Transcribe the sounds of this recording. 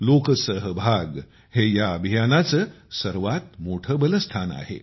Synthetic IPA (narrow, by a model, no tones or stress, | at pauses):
lokəsəɦəbʱaɡ | hejaəbʱijanat͡sə | səɾʋat̪̚moʈʰəbələst̪ʰana̰ɦḛ